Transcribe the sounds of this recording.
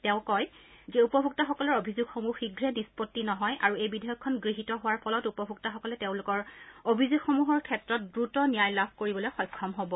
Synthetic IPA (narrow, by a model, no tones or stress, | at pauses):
tɛʊ̃kɔjzɛupɔbʱuk̚tɔxɔkɔlɔɹobʱizuɡxomuxiɡɹɛnispotːinɔɦɔjaɹuejbidɔjɔkʰːɔnɡɹiɦitɔɦʊwaɹpʰɔlɔtupɔbʱuk̚taxɔkɔlɛteʊ̃lʊkɔɹobʱizuɡxomuɦɔɹkʰɛtɹɔt̚dɹutɔnijajlabʱkoɹibɔlojxɔjkʰːɔmɦobɔ